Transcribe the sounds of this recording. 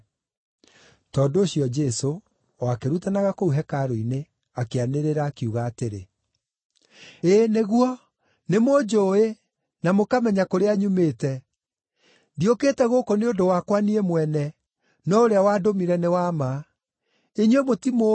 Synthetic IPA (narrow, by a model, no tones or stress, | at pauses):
tɔndoːɕiɔd͡ʒɛso | akeɾutanaɣakouɦɛkaɾoine | akeaneɾeɾaːkiuɣaːteɾe | eːneɣwɔ | nemod͡ʒoe | namokamɛɲakoɾeaɲumeːtɛ | diokeːtɛɣokoneodowakwaniemwɛnɛ | nɔoɾeawaːdomiɾɛnewama | eɲuwemotimo